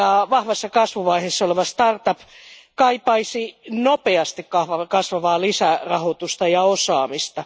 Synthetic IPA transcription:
ɑʋɑhʋɑsːɑkɑsʋuʋɑiheːsːɑoleʋɑst̪ɑrt̪ɑpkɑipɑisinopeɑst̪ikkɑhʋɑkɑsʋɑʋɑːlisærɑhot̪ust̪ɑjɑosɑːmist̪ɑ

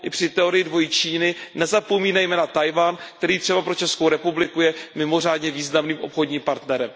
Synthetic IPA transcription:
ʔɪpr̝̥ɪt̪ɛo̞ɾɪjɪdvo̞jɪt͡ʃiːnɪnɛzapo̞miːnajmɛːnat̪ajvaːnk̚t̪ɛɾiːt̪r̥ɛbapɾo̞t͡ʃɛskowɾɛpublɪkujɛmɪmo̞r̝aːdɲɛviːznamniːmʔo̞pxo̞dɲiːmpaɾt̪nɛɾɛm

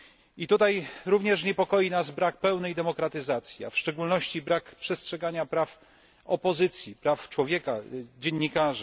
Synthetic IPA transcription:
it̪ut̪ajɾuvɲɛʂɲɛpɔkɔjinazbɾak̚pɛwnɛjd̪ɛmɔkɾat̪ɘzat̪sʲjia̰fʂt͡ʂɛɡulnɔɕt͡ɕibɾakpʂɛstʂɛɡaɲapɾaf | ɔpɔzɘt̪sʲjipɾaft͡ʂwɔvʲjɛkad͡ʑeɲːikaʐɘ

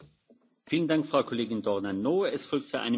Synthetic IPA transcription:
fiːləndaŋkfʁ̥aʊkʰɔleːɡɪndɔʁnanoːɛsfɔlk̚tfyːɐʔa̰ɪnə

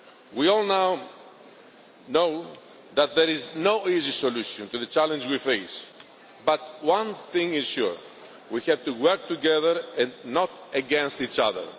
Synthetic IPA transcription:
wiɔlnaw | no | ðat̪̚ðɛɾiznoizisoluʃɔ̃nt̪uðət͡ʃalə̃nd͡ʒwifeɪs | bat̪wãnθĩŋɪz̥ʃṵɹ | wihɛvt̪uwɜ˞k̚t̪uɡɛðəɾɛ̃nnɔtəɡɛ̃nst̪it͡ʃa̰ðə̰˞

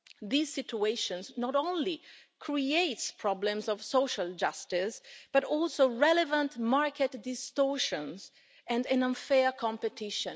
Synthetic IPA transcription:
ðizsɪtueʃɔ̃nznɔɾõʊ̃nli | kʰɹieɪtspʰɹɔblɛ̃mzɔvsoʊʃald͡ʒastɪsb̥aɾɔlsoɹɛlɛvãntmaɹkɛtdɪstɔɹʃɔ̃nz | ɛ̃ndɛ̃nʌ̃nfɛɹkʰɔ̃mpɛtʰɪʃə̃n

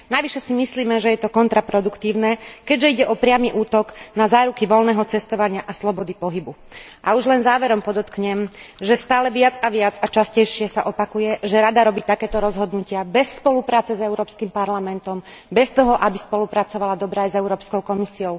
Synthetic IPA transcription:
naʋiʃɛsimisliːmɛʒɛjɛt̪ɔkɔnt̪ɾapɾɔd̪ukt̪iːʊnɛkɛɟʒɛiɟɛʔɔpɾɪamiʔuːt̪ɔɡnazaːɾukiʋɔlnɛːɦɔt͡sɛst̪ɔʋaɲɪaʔaslɔbɔd̪ipɔɦibu | ʔauʒlɛnzaːʋɛɾɔmpɔd̪ɔt̪kɲɛmʒɛst̪aːlɛʋɪad͡zaʋɪad͡zat͡ʃascɛjʃɪɛsaʔɔpakujɛʒɛɾad̪aɾɔbiːt̪akɛːt̪ɔɾɔzɦɔd̪nucɪabɛsːpɔlupɾaːt͡sɛzɛʊɾɔːpskimpaɾlamɛnt̪ɔm | bɛst̪ɔɦɔʔabispɔlupɾat͡sɔʋalad̪ɔbɾɛːajzɛʊɾɔːpskɔʊkɔmisiɔʊ

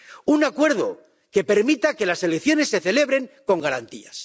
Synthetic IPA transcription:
unakwe̞ɾðo̞ | ke̞pe̞ɾmit̪ake̞lase̞lekθjo̞ne̞sːe̞θe̞le̞βɾeŋko̞ŋɡaɾant̪ias

